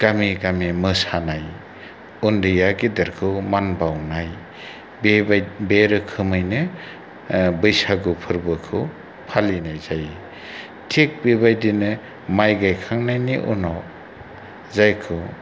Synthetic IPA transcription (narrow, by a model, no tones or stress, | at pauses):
ɡ̥amiɡamimɯsanaj | undɯjaɡidaɾkʰɯmanbawnaj | bbeɾɯkʰɯmɯjnɯ | bɯjsaɡɯpʰɯɾbɯkʰɯ | pʰalinajzaj | tʰek̚bibajdinɯ | majɡajkʰaŋnajniʔṵnɔ | zajkʰɯ